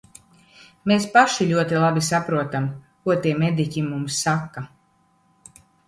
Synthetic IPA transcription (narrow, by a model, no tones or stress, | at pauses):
mespaʃiʎʲuɔt̪ilˠabisapɾuɔt̪amkuɔt̪iɛmed̪ikʲimumsːakːa